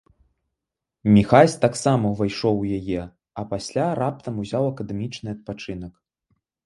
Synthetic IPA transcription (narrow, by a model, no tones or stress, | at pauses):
mʲixasʲt̪aksamɐvɨjʂɔwjajɛ | ɐpasʲlʲaɾap̚t̪ɐmuzʲawɐkɐd̪ɛmʲit͡ʂnɨɐt̪̚pat͡ʂɨn̪ɐk